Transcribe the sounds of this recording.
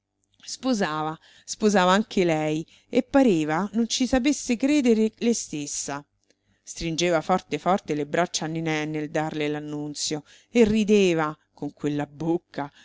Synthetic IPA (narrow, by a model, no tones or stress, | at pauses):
spozaːva | spozaːvaaŋk̟ʰelɛj | epːaɾeːvanont͡ʃisap̬esːekɾeːd̪eɾelest̪esːa | st̪ɾind͡ʒeːvafɔrt̪efɔrt̪elebɾat͡ʃːanːinɛnːeld̪arlelanːunt̪sjo | erːid̪eːva | koŋkwelːabokʰːa